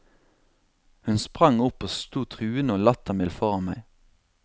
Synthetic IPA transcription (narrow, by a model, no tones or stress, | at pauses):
hʉnspʁɑŋʊpoːst̪uːt̪ʰʁʉːɪnəoːlɑt̪ɑmɪlfɔʁɑnmæɪ